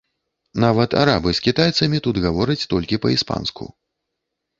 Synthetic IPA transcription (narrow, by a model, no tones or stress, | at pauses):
navɐt̪a̰ɾabɨskʲit̪ajt̪sɐmʲit̪ud̪ɣavɔɾɐt͡sʲt̪ɔlʲkʲipɐispa̰nskṵ